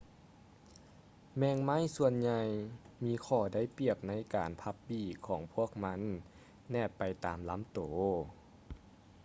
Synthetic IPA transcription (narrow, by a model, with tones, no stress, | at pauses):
mɛː˧˨ŋma˥˨jsu˧ənɲa˧jmiː˧˥kʰɔː˧˩da˧˥˩jpi˧˩əp̚na˧˥jkaː˨˩npʰa˧˥p̚biː˧˩kʰɔː˩˦ŋpʰu˥˩ək̚ma˧˥˨nː | ɛː˧˩pːa˨˩jt̪a̰ː˨˩mla˧˥mt̪oː˨˩